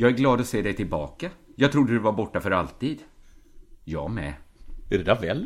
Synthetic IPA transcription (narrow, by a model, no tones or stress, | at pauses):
jɑːɡæɾɡlɑːd̪ɔseːd̪ɛjt̪ʰɪlbɑ̰ːkajɑːɡt̪ʰɾʊd̪ːəd̪ɵvaɾbɔʈːafœɾalt̪iːd̪ | jɑ̰ːmɛ̰ɛdɵd̪ævɛl